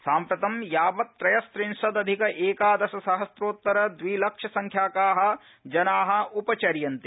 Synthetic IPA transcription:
saːmpɾɐt̪ɐmjaːbɐt̪ːɾɐjɐst̪ɾinʃɐd̪ɐd̪ʱikɐʔeːkaːd̪ɐsɐsɐɦɐsɾoːt̪ːɐɾɐd̪ʋiːlɐkʂɐsɐŋkʰjaːkaːɦɐ̆ | d͡ʒɐnaːɦɐ̆upɐt͡ʃɐɾjɐnt̪i

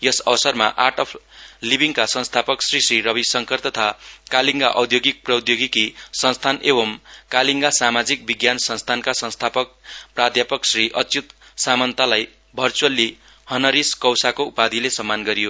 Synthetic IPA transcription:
jʌsʌwsʌrmaʔaʈʌpʰlibiŋkasʌ̃nst̪ʰapʌksrisriɾʌbisʌŋkʌrt̪ʌt̪ʰakaliŋɡaʔʌwd̪ʱjoɡik̚prʌd̪ʱjoɡikisʌ̃nst̪ʰanebʌmkaliŋɡasamad͡zik̚biɡjansʌ̃nst̪ʰankasʌ̃nst̪ʰapʌk̚prad̪ʱjapʌksriʔʌt͡sut̪samʌnt̪alaj | bʱʌrt͡suʌlːi | hʌnʌɾiskʌwsakoupad̪ʱilesʌmːanɡʌɾijo

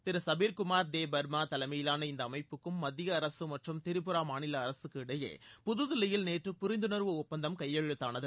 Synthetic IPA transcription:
t̪ɪɾɐsɐbiːɾkʊmaːɾd̪eːbɐɾmaːt̪ɐlɐɪmɐjɪlaːnɐɪnd̪ɐːmɐɪpːɯkːɯmːɐðɪjɐːɾɐsɯmɐʈrɯmt̪ɪɾɯpːɯɾaːmaːnɪlɐːɾɐsɯkːɯɪɽɐjḛːpʊðɯðɪlɐjɪlneːʈrɯpʊɾɪnd̪ɯnɐɾʋɯʊpːɐnd̪ɐmkɐjːɐɻɯt̪ːaːnɐðɯ

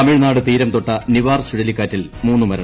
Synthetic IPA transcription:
ɐmiɻnaːɽɨpiːɾɐmt̪oʈːɐniʋaːrsuɻɐlikːaːtːilmuːnːɨmɐɾɐɳ

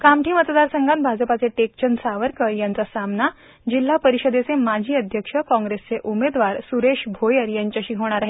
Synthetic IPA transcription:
kamʈiːmət̪d̪aɾsəŋɡãnt̪bʱad͡zəpat͡seʈek̚t͡ɕənsaʋəɾkəɾjant͡sasamna | d͡ʑil̤ːapəɾiɕəd̪et͡semad͡ʑʱiːəd̪ʱjəkʂəkɔ̃ŋɡɾest͡seʔumed̪ʋaɾsuɾeɕbʱojəɾjaɲt͡ɕaɕiːɦoɽ̃aɾaɦe

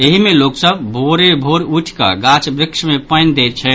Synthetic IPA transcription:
eɦimeloksəbbʱoɾebʱoɾuʈʰkə̰ɡat͡ʃbɾɪkʃmepəjnd̪ɛt̪̚t͡ʃʰɛ

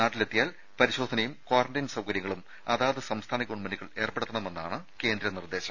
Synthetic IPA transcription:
naːʈːilet̪ːijaːl | pɐɾiɕo̞ːd̪ʱɐnɐjumkwaːrɐɳɖɐjnsɐwkɐɾjɐŋːɐɭum | ɐðaːʋɐðesɐmst̪ʰaːnɐkoɳmɐniɣɐɭe̞ːrpeɽut̪ːɐɳɐme̞nːaːɳɨke̞ːnd̪ɾɐnird̪e̞ːɕɐ̥m

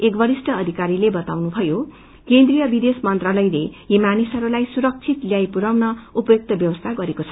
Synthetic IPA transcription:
ekbʌɾisʈʌːd̪ʱikaɾilebʌt̪awnubʱʌjo | kend̪rijʌbid̪esmʌnt̪ralʌjlejemanisʌɾulajsuɾʌk̚t͡sʰit̪ljajpuɾawnʌupʌjok̚t̪ʌbjʌwʌst̪ʰaɡʌɾekot͡sʰʌ̥

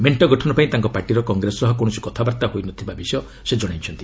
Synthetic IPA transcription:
meɳʈɔɡɔʈʰɔnɔpaĩt̪aŋkɔpaɾʈiɾɔkɔŋɡɾesɔɦɔkoɽ̃ɔsi̥kɔt̪ʰabaɾt̪aɦojnɔt̪ʰibabisɔjɔ | sed͡ʒɔɽ̃ajt͡ʃʰɔnt̪i

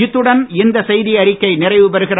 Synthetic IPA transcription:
ɪt̪ːɯɽɐnɪnd̪ɐsɛjðiɐɾɪkːɐɪnɪrɐɪʋɯpɐɾɯɣɪr

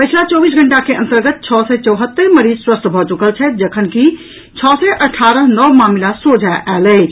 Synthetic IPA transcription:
pəjt͡ʃʰlat͡ʃɔbis̬ɡʱəɳʈakeʔə̰nt̪əɾɡət̪̚t͡ʃʰɔsɛt͡ʃəwɦət̪ːəɾməɾid͡ʒswəst̪ʰbʱɔt͡ʃukəlt͡ʃʰɛd͡ʒəkʰənki | t͡ʃʰɔsɛʔəʈʰaɾəɦnɔʋmamilasod͡ʒʱaʔalə

